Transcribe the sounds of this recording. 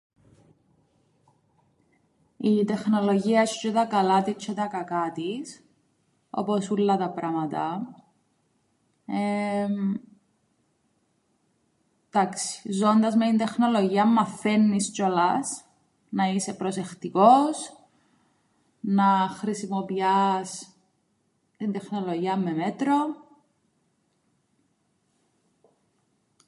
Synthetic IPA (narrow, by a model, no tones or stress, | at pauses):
it̪e̞xno̞lo̞ʝiɐeʃt͡ʃeðɐkɐlɐt̪it͡ʃʰːet̪ɐkɐkɐt̪is | o̞̰posulːɐt̪ɐpɾɐmɐt̪ɐ | e | d̪̥aksi̥zond̪ɐzmet̪ind̪e̞xno̞loʝiɐmːɐfːenːist͡ʃolɐs | nɐise̞pɾose̞xt̪ikos | nɐxɾisimopiɐs | t̪ind̪exnoloʝiɐmːemet̪ɾo